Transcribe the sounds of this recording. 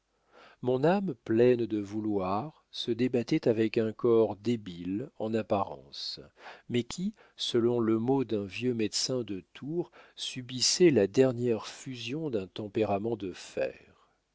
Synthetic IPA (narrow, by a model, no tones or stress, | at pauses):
mɔ̃namplɛnd̪əvulwaʁ | səd̪ebat̪ɛt̪avɛkɛ̃kɔʁd̪ebilɑ̃napaʁɑ̰̃smɛkʲʰi | səlɔ̃ləmod̪ɛ̃vjømɛd̪sɛ̃d̪ət̪ʰuʁsybisɛlad̪ɛʁnjɛʁfyzjɔ̃d̪ɛ̃t̪ɑ̃peʁamɑ̃d̪əfɛ̰ʁ